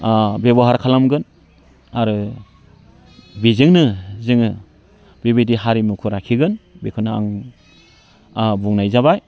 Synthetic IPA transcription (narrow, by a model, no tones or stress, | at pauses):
beβɔɦaɾkʰalamɡɯn | aɾɯ | bizɯŋnɯzɯŋɯ | bibidiɦaɾimukʰɯɾakʰiɡɯnbekʰɯnɯa̰ŋ | buŋnajzaβaj